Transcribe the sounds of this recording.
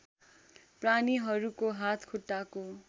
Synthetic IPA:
praniɦʌɾukoɦat̪ʰkʰuʈːako

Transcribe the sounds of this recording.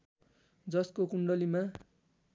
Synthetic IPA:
d͡zʌskokuɳɖʌlima

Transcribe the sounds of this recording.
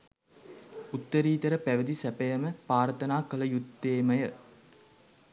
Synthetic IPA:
ut̪ːəɾiːt̪əɾəpæʋəd̪isæpejəməpaːɾt̪ənaːkələjut̪ːeːməjə

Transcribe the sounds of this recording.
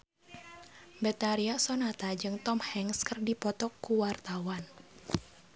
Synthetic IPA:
bɛt̪aɾiasɔnat̪ad͡ʒɨŋt̪ɔmhɛŋskɨrdipɔt̪ɔkːuwart̪awan

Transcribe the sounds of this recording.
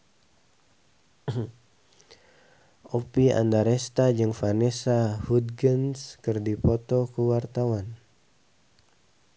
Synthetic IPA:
opia̰ndaɾɛst̪ad͡ʒɨŋfanɛsahud̪̚ɡənskɨrdipɔt̪ɔkuwart̪awan

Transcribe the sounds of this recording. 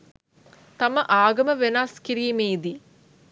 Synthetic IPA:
t̪aməʔaːɡɐməʋenaskiɾiːmeːd̪i

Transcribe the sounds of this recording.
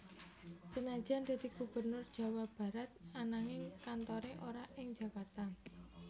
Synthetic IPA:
sənḁʒ̥a̤nd̪̥a̤d̪̥iɡ̥ub̥ərnʊrd̥ʒ̥ä̤wab̥a̤ɾat̪̚anaŋɪŋkant̪ɔɾeʔoɾaʔɪŋd͡ʒ̥a̤kart̪an

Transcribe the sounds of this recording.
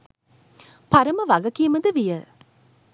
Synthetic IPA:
paɾɐməʋɐɡɐkiəməd̪əʋijə

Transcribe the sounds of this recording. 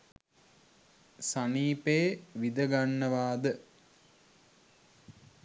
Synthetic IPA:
saniːpeːʋid̪əɡanːəʋaːd̪ə

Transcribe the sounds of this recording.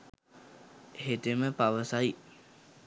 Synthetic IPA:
heʈeməpaʋəsaj

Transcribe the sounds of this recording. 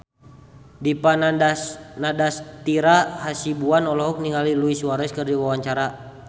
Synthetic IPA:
dipan | nadast̪iɾahasibuanɔlɔɦɔk̚niŋaliluisuwaɾɛskərdiwawaɲt͡ʃaɾa

